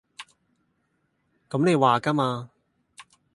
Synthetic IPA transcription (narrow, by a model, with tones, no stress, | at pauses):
kɐ˨˥mne˨˧jwaː˨kaː˥maː˧